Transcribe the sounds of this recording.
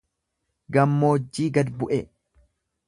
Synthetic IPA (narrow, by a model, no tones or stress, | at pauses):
ɡɐmːoːd͡ʒːiːɡɐd̪bʊʔɛ